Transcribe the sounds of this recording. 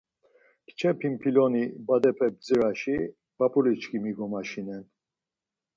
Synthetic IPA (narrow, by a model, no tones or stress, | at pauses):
kt͡ʃʰɛpʰimpʰilɔnibad̪ɛpʰɛb̚d͡ziɾaʃi | b̥apʰʼulit͡ʃkʰimiɡɔmaʃinɛn